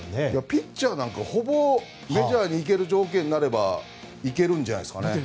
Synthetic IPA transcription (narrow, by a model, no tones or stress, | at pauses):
nejapʰʲit͡ɕ͈anaŋkahobo | me̞d͡ʑaɲiːk̬e̞ɾɯd͡ʑoːɡienːaɾe̞ba̰ | ik̬e̞ɾɯnd͡ʑana̰jskane̞